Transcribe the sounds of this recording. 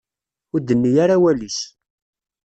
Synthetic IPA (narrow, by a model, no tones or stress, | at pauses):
ʊɾd̪ənːijaɾawælis